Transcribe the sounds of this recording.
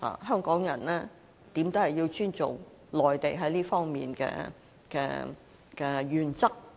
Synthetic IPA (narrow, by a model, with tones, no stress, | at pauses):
ha̰ː˨ɦœː˥ŋkɔː˨˥ŋjɐ˨˩nlɛː˥ | t̪iː˨˥mt̪o˥hɐ˨jːi˧wt͡ʃʰyː˥nt͡so̰˨˩w | lɔː˨˩jt̪e˨˩jɦɐ˨˥jliː˥fɔː˥ŋmiː˨nkɛ̰ː˧ | kɛ̰ː˧ | kɛː˧jyː˨˩nt͡sɐ˥k̚